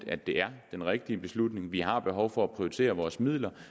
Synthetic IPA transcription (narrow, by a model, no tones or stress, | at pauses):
d̥æd̥e̝æɐd̥enʁɛɡ̥̚d̥iəb̥e̝slud̥ne̝ŋʋiɦɑ̈b̥e̝ɦɒʊfɒ̽æpʰʁioit͡sʰe̝̰ːɐʋɒːsmið̰ˠlɐ